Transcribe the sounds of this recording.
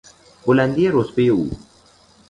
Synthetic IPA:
oland̪iaɾospeṵ

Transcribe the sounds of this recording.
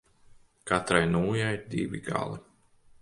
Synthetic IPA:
kat̪ɾajnuːjajd̪ḭviɡa̰lˠi

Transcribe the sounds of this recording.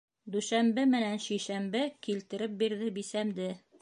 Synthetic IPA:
d̪ʉʃæmbɘmɘ̆nænʃijʃæmbɘkilt̪ɘ̆ɾɘp̚biɾðɘbisæmd̪ɘ

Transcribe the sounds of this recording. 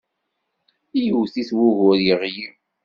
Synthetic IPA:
ijuθiθwʊɣʊɾjəʁji

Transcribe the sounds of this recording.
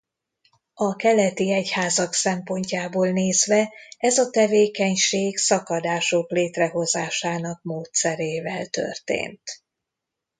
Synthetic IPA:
ɒkɛlɛt̪iɛchaːzɒksɛmpo̞ɲcaːboːlneːzʋɛɛzɒt̪ɛveːkɛɲʃeːɡsɒkɒd̪aːʃo̞kleːt̪rɛɦo̞zaːʃaːnɒk̚moːt̪sɛɾeːvɛlt̪ø̞̰rt̪ḛːnt̪

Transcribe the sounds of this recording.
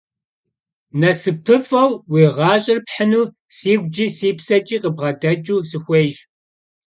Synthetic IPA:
nɐsɨpʰɨfɐwwiːʁɑːɕʼɪrpħənuː | siːɡʷd͡ʒiːsiːpsɐt͡ʃʼiːqʼəbʁɐdɐt͡ʃʼuːsɨxʷeːʒ

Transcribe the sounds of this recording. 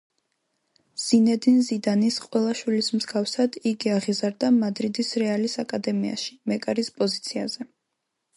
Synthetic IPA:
z̥inɛd̪inzid̪anisqʼwɛlˠaʃwilismzɡafsad̪̥iɡiaʁizaɾd̪amad̪ɾid̪isɾɛalisakʼad̪ɛmia̰ʃi̥mɛkʼaɾispʼɔzit̪sʰia̰zɛ

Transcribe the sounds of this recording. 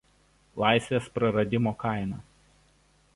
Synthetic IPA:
lˠɑˑɪsʲʋʲeːspɾɐɾɐd̪ʲɪmoːkɑˑɪnɑː

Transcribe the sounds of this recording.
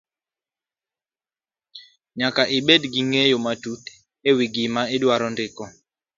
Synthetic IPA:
ɲakaʔɪbedɡiŋejomatut | ewiɡɪmaɪdwaɾɔndɪkɔ

